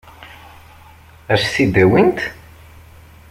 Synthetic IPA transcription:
æɾθid̪æwint̪

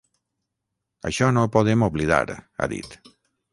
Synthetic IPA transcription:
ə̰ʃɔnopoðemoβliða̰ɾa̰ðḭt̪

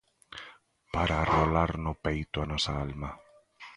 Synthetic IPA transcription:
paɾarolaɾnopejt̪oanɔsaalma

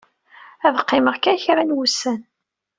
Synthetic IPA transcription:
æðqːɪməʁkænçɾænwusːæn

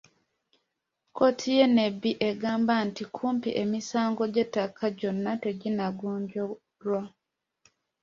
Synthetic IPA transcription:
ko̞tʰije̞ne̞biʔeɡaːmbantikʰuːmpḭʔe̞misaːŋɡo̞ɟetːakʰaɟo̞nːate̞ɟinaɡoːɲɟo | ɾwa

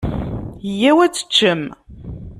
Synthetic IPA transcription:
jæwæt͡sːə̥t͡ʃːəm

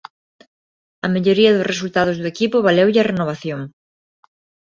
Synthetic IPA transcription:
ɐmeʎoɾiɐðʊsres̬ult̪aðʊzðʊekipʊβalewʎɪɐrenoβ̞aθjoŋ

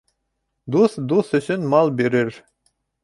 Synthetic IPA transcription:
d̪uθd̪uθɵ̆ɕɵnmɑlˠbiɾɘ̆ɾ

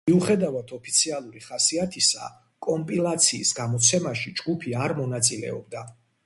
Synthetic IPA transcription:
miuχɛd̪avat̪ʰɔpʰi̥t̪sʰialˠuɾiχasiat̪ʰisa̰ | kʼɔmpʼilˠat̪sʰiːsɡamɔt̪sʰɛmaʃid͡ʒɡupʰiaɾmɔnat̪sʼilɛ̰ɔ̰b̚d̪a

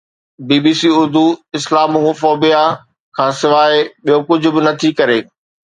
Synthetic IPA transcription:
biːbiːsiːʊɾd̪ʱuɪslaːmũfɔːbija | kʰãːsɪʋaːɪeɓijokʊd͡ʑʱʊ̆bɪnɐt̪ʰikɐɾeː

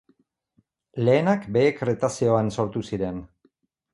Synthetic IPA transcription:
le̞ːnakbe̞ːkret̪asio̞anso̞ɾt̪usiɾe̞n

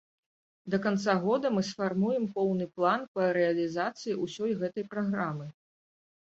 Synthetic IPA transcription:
d̪ɐkant̪saɣɔd̪ɐmɨsfarmujɛmpɔwnɨplˠanpɐɾɛɐlʲizat̪sɨjiʔusʲɔjɣɛt̪ɐjpɾaɣɾamɨ

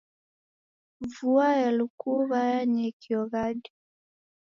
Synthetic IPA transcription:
vuaɛlukuɣajaɲɛkiɔɣadi

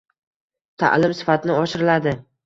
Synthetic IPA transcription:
t̪ʰa̰ʔlɪmsɪ̥fat̪ʰɪnɪɒʃɪɾɪlad̪ɪ

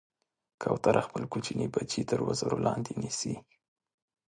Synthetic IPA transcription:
kʰawt̪aɾʔaxpəlkut͡ʃinʔibat͡ʃit̪əɾwazəɾolɑnd̪enisi

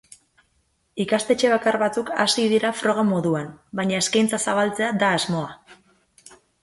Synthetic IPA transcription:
ikast̪e̞t͡ʃe̞β̞akarβat͡suka̰siðiɾafɾo̞ɣ̞amo̞ðuanbaɲaeskajnt͡sasaβ̞alt͡se̞ad̪aːzmo̞a

